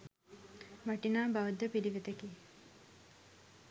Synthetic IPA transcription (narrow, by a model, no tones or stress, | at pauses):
ʋaʈinaːbaʋud̪ːəpiliʋet̪ekiː